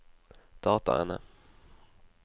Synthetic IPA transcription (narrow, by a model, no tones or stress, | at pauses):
d̪̥ɑːt̪a̰ɛ̰nə̰